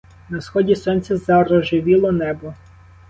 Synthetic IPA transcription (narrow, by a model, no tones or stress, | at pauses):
nɐsxɔdʲisɔnʲt͡sʲɐzɐɾɔʒɪʋʲilˠɔnɛbɔ